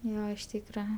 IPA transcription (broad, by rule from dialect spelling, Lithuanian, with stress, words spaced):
ˈjoː ɪʃ ˈtʲiːkrɐ